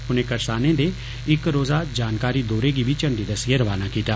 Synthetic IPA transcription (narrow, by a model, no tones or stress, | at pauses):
ʊnẽkɐɾsaːnẽd̪e | ɪkɾoːzad͡ʒaːnkaːɾid̪oːɾeɡibʱit͡ʃɐ̃ɳɖid̪ɐsjeɾɐʋaːnakiːt̪aː